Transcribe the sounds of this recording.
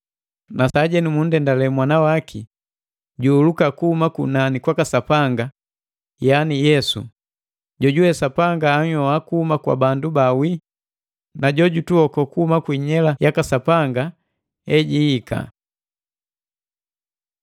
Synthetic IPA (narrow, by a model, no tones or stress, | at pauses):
nasaɟɛnimun̩dɛndalɛmwanawaki | ɟuːlukakuhumakunanikwakasapaŋɡa | janijɛsṵ | ɟɔɟuwɛsapaŋɡaːɲɔakuhumakwa̰bandubawi | naɟɔɟutuɔkɔkuhumakwiɲɛlajakasapaŋɡa | ɛɟihːkʰa̰